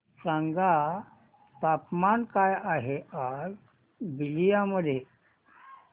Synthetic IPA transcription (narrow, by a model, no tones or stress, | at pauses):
sãŋɡa | t̪apmankajaɦeaɾ | bilijaməd̪ʱje